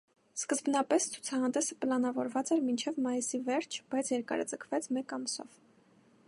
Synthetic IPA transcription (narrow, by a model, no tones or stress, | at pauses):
skəzbnɑpɛst͡sʰu̥t͡sʰɑhɑnd̪ɛsəpəlɑnɑvɔɾvɑt͡sɛɾmint͡ʃʰɛvmɑjisivɛɾt͡ʃʰb̥ɑjt͡sʰjɛɾkɑ̰ɾə̰d͡zəkʰvɛt͡sʰmɛkɑmsɔ̰v̥